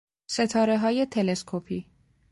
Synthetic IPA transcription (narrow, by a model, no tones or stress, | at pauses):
se̞t̪ʰɒːɾeɦɒːje̞t̪ʰeleskʰopʰiː